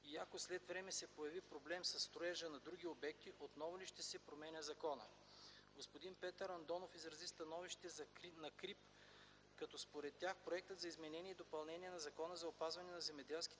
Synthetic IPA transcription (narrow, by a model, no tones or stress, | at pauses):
iɐkoslɛt̪vɾɛmɛsɛpojɐvipɾoblɛmsɐsːt̪ɾoɛʒənɐd̪ɾuɡ̟ʲiobɛkt̪iʔot̪nɔvʊliʃt̪ɛsɛpɾomɛnʲəzɐkɔnə̰ | ɡospod̪inpɛt̪əɾɐnd̪ɔnofizɾɐzist̪ɐnɔviʃt̪ɛzɐknɐkɾip | kɐt̪ɔspoɾɛt̪ːʲjaxpɾoɛk̚t̪əd̪zɐizmɛnɛnʲiɛid̪opɐlˠnɛnʲiɛnɐzɐkɔnəzɐopazvɐnɛnɐzɛmɛd̪ɛlˠski̥